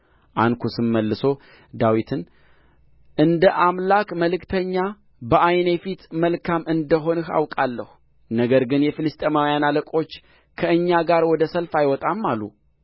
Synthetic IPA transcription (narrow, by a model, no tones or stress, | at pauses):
ʔankʰusɨmːəlːɨso̞ | d̪awit̪ʰɨn | ʔɨnd̪əʔamlakməlɨkt̪ʰəɲːa | bəʔajne̞fit̪məlkʰamɨnd̪əɦo̞nɨha̰wkʼalːəhu | nəɡəɾɡɨnjɛfɨlɨst̪ʼemawjanaləkʼo̞t͡ʃː | kʰəɨɲːaɡaɾwɔd̪əsəlfajwɔt̪ʼamːalːu